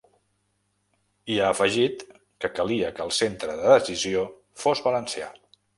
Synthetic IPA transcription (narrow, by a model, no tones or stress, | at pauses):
iaːfəʒit̪ | kəkəliəkəːlˠsent̪ɾəðəðəsizio | fozβələnsia̰